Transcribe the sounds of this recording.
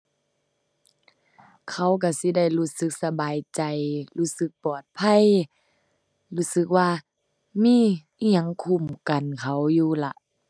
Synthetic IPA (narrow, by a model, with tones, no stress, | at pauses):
kʰa˧˩wk̬a˧˩si˧˦da˥˩jluː˧˥sɯ˧˦k̚sa˧baː˨jt͡ɕa˨˩jluː˧˥˩sɯ˧˦k̚pɔː˨˩t̪̚pʰa˧˥˨j | luː˧˥˨sɯ˧˦k̚waː˧ | miː˧˥˨ʔi˧˩a˨ŋkʰu˧˩˨mka˨nkʰa˨˩wjuː˧la˧˦ʔ